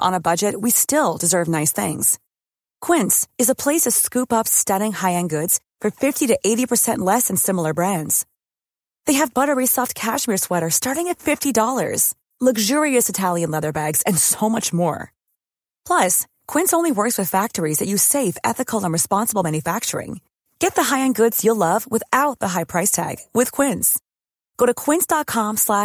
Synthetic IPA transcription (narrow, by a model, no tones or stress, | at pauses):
ʔə̰̃nəbʌd͡ʒɨt̚wistɪlˠdɨzɜ˞vnaɪsθɪ̰̃ŋz̥ | kʰw̥ɪ̃ntsɨzəpʰl̥eɪsʌv̥skʉpʌpstʌɾɪ̃ŋhaɪɨ̃nɡʊdz̥ | fə˞fɪftiɾɨʔeɪɾipʰə˞sɛ̃nʔlɛsɨ̃nsɪ̃ml̩ˠə˞bɹæ̃ndz̥ | ðeɪɨvbʌɾə˞isɔft̚kʰæʃmɪɹswɛɾə˞stɑɹɾɪ̃ŋɨtfɪftidɔlˠə̰˞z̥ | lʌɡʒʊɹiɨsɨtʰælˠjɨ̃nlɛðə˞bæɡz̥ɨ̃nsoʊmʌt͡ʃmɔ̰ɹ | pʰl̥ʌs | kʰw̥ɪ̃nsõʊ̃nliwɜ˞kswɨð̥fæk̚tə˞izðɨt͡ʃɨseɪfɛ̰θɨkʰl̩ˠə̃nɹɨspɑ̃nsəbl̩ˠmæ̃njɨfæk̚t͡ʃə̰˞ɪ̰̃ŋ | ɡ̥ɛt̪̚ðəɦaɪɨ̃nɡʊdz̥jɨlʌvwəθaʊt̪̚ðəɦaɪpʰɹ̥aɪstʰæ̰ɡ̥wɨð̥kʰw̥ɪ̃ns | ɡ̥oʊɾɨkʰw̥ɪ̃nsd̥ɑt̚kʰɑ̃mslæ